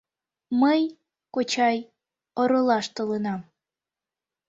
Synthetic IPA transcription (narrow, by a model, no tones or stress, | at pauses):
məj | kot͡ɕɑj | oɾɤlɑʃt̪olenɑm